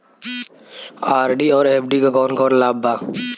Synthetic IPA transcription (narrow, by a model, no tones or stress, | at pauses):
aːɾɖiɔːɾɛːpʰɖikakɔːnkɔːɾlaːbaː